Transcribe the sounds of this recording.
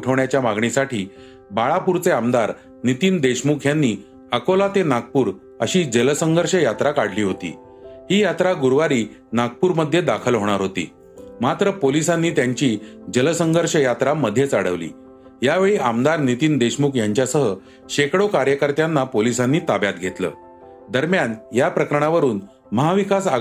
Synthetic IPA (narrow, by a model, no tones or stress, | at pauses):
uʈʰəʋɳjat͡ɕjamaɡɳisaʈiː | baɭapuɾt͡seamd̪aɾ | nit̪iːnd̪eɕmukʰjanːiː | əkolat̪enaɡ̚puːɾ | əɕiːd͡ʑələsəŋɡʱəɾɕəjat̪ɾakaɽ̤liːɦot̪ḭː | ɦiːjat̪ɾaɡuɾʋaɾiː | naɡ̚puːɾməd̪ʱjed̪akʰəlɦoɽ̃aɾɦot̪ḭː | mat̪ɾəpolisanːiːt̪jaɲt͡ɕiːd͡ʑələsəŋɡʱəɾʂəjat̪ɾaməd̪ʱjet͡saɽəʋlḭː | jaʋeɭiːʔamd̪aɾnit̪iːnd̪eɕmukʰjaɲt͡ɕjasəɦə | ɕekɽokaɾjəkəɾt̪janːapolisanːiːt̪abjat̪ɡʱet̪lə̰ː | d̪əɾmjanjapɾəkəɾəɳ̃aʋəɾuːn | məɦaʋikasa